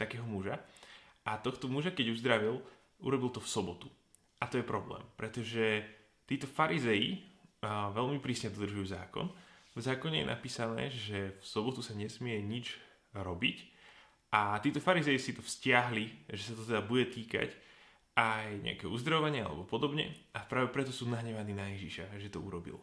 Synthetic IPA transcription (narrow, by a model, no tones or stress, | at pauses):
t̪akɛːɦɔmuʒaʔat̪ɔxt̪ɔmuʒakɛɟuzd̪ɾaʋil | ṵɾɔbilt̪ɔfsɔbɔt̪u | ʔat̪ɔjɛpɾɔblɛ̰ːmpɾɛt̪ɔʒɛ | t̪iːt̪ɔfaɾʔizɛji | ʋɛlmipɾiːsɲɛd̪ɔd̪r̩ʒujuza̰ːkɔ̰nvzaːkɔɲɛjɛ̰na̰piːsanɛ̰ːʒɛfsɔbɔt̪usaɲɛsmɪɛɲid͡ʒ | ɾɔbic | ʔat̪iːt̪ɔfaɾizɛjisit̪ɔfscɪaɦliʒɛsat̪ɔt̪ɛd̪abuɟɛt̪iːka̰c | ajɲɛ̰a̰kɛɦɔuzd̪ɾaʋaɲɪaa̰lɛ̰bɔpɔd̪ɔbɲɛ̰ʔapɾaːʋɛpɾɛt̪ɔsuːnaɦɲɛʋaniːnajɛʒiʃaʒɛt̪ɔṵɾɔbḭl